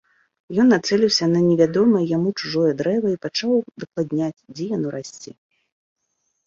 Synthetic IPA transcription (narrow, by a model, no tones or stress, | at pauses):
jɔnːat̪sɛlʲiwsʲɐnɐnʲɛvʲad̪ɔmɐjamut͡ʂuʐɔjɛd̪ɾɛvɐipat͡ʂawd̪ɐklˠad̪ʲnʲat͡sʲd͡zʲɛjanɔɾasʲt͡sʲi